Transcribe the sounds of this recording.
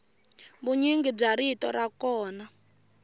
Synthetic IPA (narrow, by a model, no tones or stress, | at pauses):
βuɲiŋɡib͡ʐaɾitɔ̰ɾakɔːna